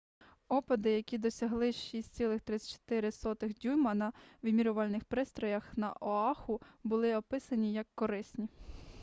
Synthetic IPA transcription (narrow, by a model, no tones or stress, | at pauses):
ɔpɪd̪ɪjɐkʲid̪ɔsʲɐɦlˠɪʃisʲtʲt͡sʲsʲilˠɪxt̪ɾɪsʲt͡ʃt̪ɪɾɪsɔt̪ɪxdʲujmɐnɐwɪmʲiɾʊʋɑlʲnɪxpɾɪst̪ɾɔjɐxnɐ̰ʔɔɑxʊbʊlˠɪɔpɪsɐnʲijɐkːɔɾɪsʲnʲi